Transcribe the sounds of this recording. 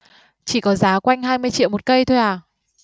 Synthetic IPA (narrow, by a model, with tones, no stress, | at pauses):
t͡ɕi˧˩kɔ˨˦zaː˨˦kwa˧jŋ̟ɦaː˧jmɨ˧əjt͡ɕḭ˧˨wmo˨˩t̚kə˧jt̪ʰo˧jʔaː˨˩